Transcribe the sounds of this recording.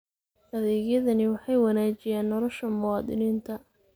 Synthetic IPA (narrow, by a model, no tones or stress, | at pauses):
ɐðɛːɣjɐðɐnɪwɑħɑjwɑnaːt͡ʃɪjaːnːɔlɔʃɐmʊwɑːd̪ɪniːnt̪ʰɐ